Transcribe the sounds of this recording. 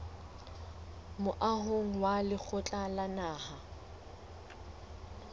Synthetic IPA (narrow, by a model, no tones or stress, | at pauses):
mʊʔaɦoŋ̩walɪk͡xʰʊt͡ɬʼalanaːha